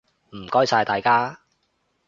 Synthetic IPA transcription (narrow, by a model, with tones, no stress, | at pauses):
m̩˨˩kɔː˥jsaː˧jt̪aː˨jkaː˥